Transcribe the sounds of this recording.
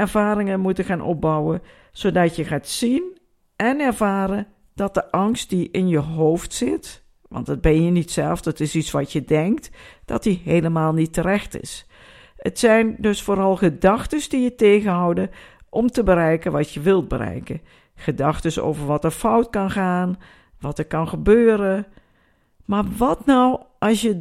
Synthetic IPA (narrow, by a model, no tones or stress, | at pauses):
ɛɹvaːɾɪŋənmutəχaːnʔɔ̰b̚bʌwə | z̥owdɑtjəχaːtsin | ʔɛnɛɹvaːɾən | d̥ɑt̚d̥əʔɑŋst̚diʔɪnjəɦowftsɪt | ʋɑ̰ntdɑd̚bɛnjənitsɛ̰lˠfdətɪsitsʋɑtjədɛŋk̚td̥ɑ̰tdiɦejləmaːlˠnitːərɛxtɪ̰s | ətsɛjndɵsfoːɾɑlˠxədɑxtəsdijəteːɣənɦɔwdəʔɔmtəbəɾɛjkənʋɑtjəʋɪlˠd̚bəɾɛ̰jkə | xədɑxtəso̰wvəɹʋɑtəɹfɔwtkɑnxaːn | ʋɑtəɹkɑnxəbøːɾə | maɹʋɑtnɔwʔɑsjə